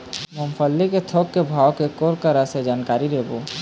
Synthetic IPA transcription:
məmpʰəlːiket̪ʰoːkːebʱaːwkekoːɾkəɾəsed͡ʒaːnkaːɾiɾeːboː

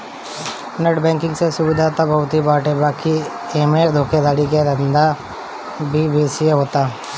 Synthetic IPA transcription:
nəʈbɛ̃ːŋkɪ̃ŋɡsesʊbɪd̪ʱat̪abɐɦʊt̪ɦibaːʈebaːki | eːmed̪ʱoːkʰed̪aːɽik̬eɾɐnd̪a | bʱibeːsijeɦoːt̪aː

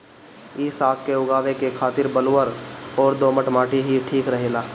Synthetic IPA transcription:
ɪsaːp̚keʊɡaːʋekekʰaːt̪ɪɾbəloːəɾɔːɾd̪oːməʈmaːʈʰiɦiʈʰiːkɾəɦeːlaː

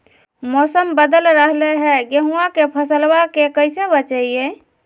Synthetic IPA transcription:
mɔsəmbəd̪əlɾəɦleɦɛɡeɦuakepʰəsəlwakekəɪsebət͡ʃəije

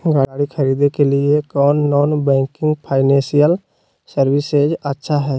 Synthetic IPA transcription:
ɡaːaːɽixʰɐɾiːd̪ekeliekɔːnːɔːnbɛ̃ːŋkɪ̃ŋɡpʰaːɪnɛ̃ːsijəl | səɾwɪsed͡ʒətːʃʰaɦɛː

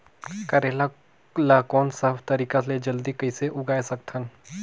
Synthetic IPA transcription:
kɐɾeːla | lakɔːnsɐbt̪ɐɾiːkaled͡ʒɐld̪ikɐɪseʔʊɡaːesɐk̚t̪ʰən

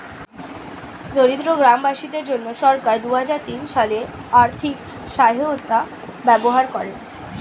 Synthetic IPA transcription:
noɾid̪ɾoɡɾambaʃid̪eɾd͡ʑonːoʃɔɾkaɾd̪uɦad͡ʑaɾt̪inʃale | aɾt̪ʰik | ʃaɦoot̪ːa | bɛboɦaɾkɔɾen

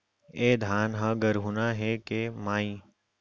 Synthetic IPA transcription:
eːd̪ʱaːnɦãɡəɾɦunaɦɛkemaːĩ

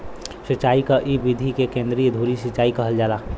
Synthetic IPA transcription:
sit͡ʃaːikaʔibid̪ʱikekẽnd̪ɾijd̪ʱuɾisit͡ʃaːikəɦəld͡ʒaːla

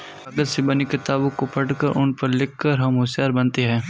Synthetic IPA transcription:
ɐɡəɾsɪbɐnikɪt̪aːbõkopɐʈkəɾʔʊnpɐɾlɪkːəɾɦɐmɦʊsjaːɾbɐnt̪eɦɛ̃ː

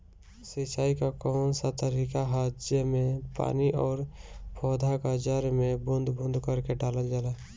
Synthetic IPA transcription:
sɪt͡ʃaːikakɔːnsat̪əɾiːkaɦad͡ʒemẽpa̰ːniʔɔːɾpʰɔːd̪ʱakad͡ʒəɾmẽbʊ̃nd̪ʱbʊ̃nd̪ʱkəɾkeɖaːləld͡ʒalaː

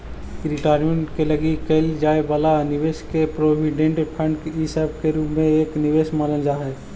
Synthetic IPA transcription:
ɾɪʈaːjɾmẽɳʈkeləɡikəɪld͡ʒaːebaːlanɪʋeːʃkepɾoːbiɖẽɳʈpʰə̃ɳɖkisəb̚keɾuːpmẽeːknɪʋeːʃmaːlənd͡ʒaːɦɛː

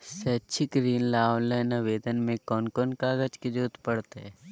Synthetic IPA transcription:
set͡ʃʰikɾiːnlaːwnlenɐʋeːd̪ənmẽkɔːnkɔnkaːɡəd͡ʒked͡ʒuːt̪pɐɽt̪eɛ

